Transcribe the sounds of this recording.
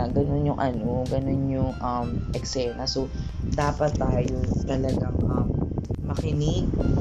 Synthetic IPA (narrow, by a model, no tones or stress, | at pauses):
ɡɐno̞njʊŋʔɐnoɡɐno̞njʊŋʔɐmʔɛksɛːnɐso | d̪aːpɐt̪ːaːjot̪ɐlɐɡaŋʔɐmːɐkɪnɪk